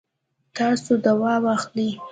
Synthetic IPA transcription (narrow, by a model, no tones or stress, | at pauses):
t̪ɑsod̪awɑwɑxli